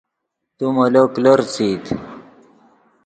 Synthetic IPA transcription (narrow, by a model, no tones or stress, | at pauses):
t̪umɐlokloɾt͡sit̪